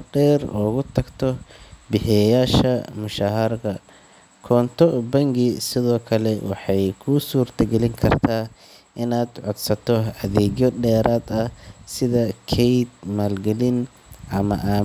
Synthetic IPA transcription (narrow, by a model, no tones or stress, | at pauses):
ɖɛːrɔːɣʊt̪ʰɐɡt̪ʰɔbɪħɛjaːʃɐmʊʃaːɦɐɾɣɐ | kʰɔːnt̪ʰɔbɐŋɡɪsɪðɔːkʰɐlɛwɑ̰ħɑjkʰʊsuːrt̪ʰɐɡɛlɪŋkʰɐrt̪ʰaː | ʔɪnaːd̪ʕɔd̪sɐt̪ʰɔɐðɛːɣjɔɖɛːɾaːd̪ɐsɪðɐkʰɛjd̪̚maːlɡɐlɪn | ʔɐmɐ̰ʔaː